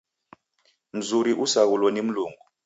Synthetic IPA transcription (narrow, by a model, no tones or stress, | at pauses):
m̩zuɾiʔusak̬ulwɔnem̩luːŋu